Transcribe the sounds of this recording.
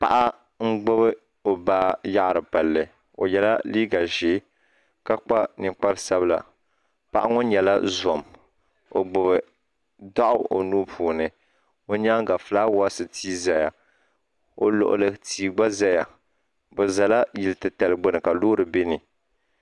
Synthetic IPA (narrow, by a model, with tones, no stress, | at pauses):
pa̰˨ʔa˦ | ŋ̩˦ɡ͡bo˦bɨ˦ | o˨baː˦ja˦ʔɾɨ˨pa˨lːɨ˨ | o̰˨jɛ˨la̰˦liː˦ɡa˨ʒeː˦ | ka˦k͡pa˦nɨ˨k͡pa˦ɾsa˦bɨ˦la̰˨ | pa˨ʔa˦ŋo˦ɲɛ˨la̰˦zɔ˨m | o˨ɡ͡bʊ˨βɨ˨ | da˦ʔʊ˦o̰˨nuː˦pʰuː˨nɨ˨ | o˦ɲa˦ŋɡa˨fla˦wa˦sɨ˨tiː˦za˨ja˨ | o˨lo̰˨ʔʊ̰˨lɨ˨tiː˨ɡ͡ba˦za˦ja˨ | bɛ˨za˨la˦jɪ˨lɨ˨tɨ˨ta˨lɨ˨ɡ͡bo˦nɨ˨ka˨loː˦ɾɨ˨be˦nɨ˨